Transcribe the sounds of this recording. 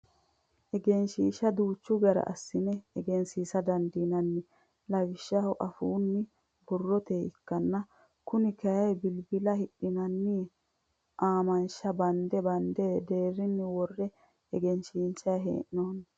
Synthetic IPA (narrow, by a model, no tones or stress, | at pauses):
ʔɛɡɛnʃiːʃɐd̪uːt͡ʃːʊɡɐɾɐ̰ʔɐ̰sːɪnɛɛɡɛnsiːsɐd̪ɐnd̪iːnɐnːɪ | lɐwɪʃːɐhɔʔɐfuːnːɪ | bʊrːɔt̪eːɪkːɐnːɐ | kʊnɪkɐjɐjbɪlbɪlɐhɪɗɪnɐnːi | ʔaːmɐnʃɐbɐnd̪ɛbɐnd̪eːd̪eːrːɪnːɪwɔrːɛ | ɛɡɛnʃiːnt͡ʃɐjɦḛːʔnoːn